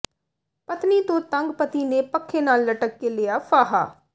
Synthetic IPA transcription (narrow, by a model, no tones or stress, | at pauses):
pət̪niːt̪õːt̪əŋɡpət̪iːneːpəkʰːeːnaːlːəʈəkːeːlɪːjaːpʰaːɦa̰ː